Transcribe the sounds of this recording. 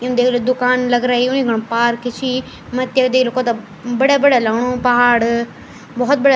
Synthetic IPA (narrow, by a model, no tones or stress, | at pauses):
ʊ̃nd̪eklod̪ʊkaːnlɐɡɾaːiʊnĩɡʱɐɽ̃paːɾkʰɪt͡ʃʰi | mɐt̪jɐkd̪eːklokoːt̪ɐ | bɐɽabɐɽalaːʋɽ̃oːpɐɦaːɽ | bɐɦʊt̪bɐɽa